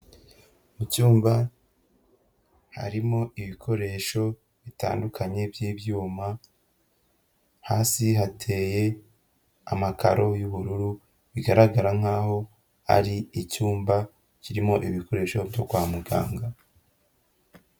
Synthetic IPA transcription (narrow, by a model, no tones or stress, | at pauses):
umucuːmba | ha̰ɾimo̞iβikʰo̞ɾe̞ːʃo̞ | βita̰ːndukʰaɲe̞bjiːbjuːma | haːsiɦatʰe̞je | a̰maka̰ɾʔo̞juβuɾuɾu | βiɡaɾaɡaɾaŋ̥aːɦo̞ | a̰ɾiicuːmba | ciɾimo̞ʔiβikʰo̞ɾe̞ːʃo̞bjo̞kwaːmuɡa̰ːŋɡa